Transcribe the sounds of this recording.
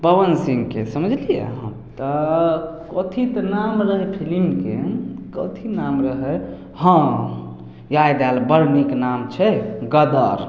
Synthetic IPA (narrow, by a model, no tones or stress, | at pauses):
pəbənsiŋɡkesəməd͡ʒʱlijḛɦə̰̃ | t̪ə | kɔt̪ʰit̪ənamɾəɦepʰilimkekɔt̪ʰinamɾəɦɛ | hə̃ | jajd̪ɛlbəɾniknamt͡ʃʰɛɡəd̪əɾ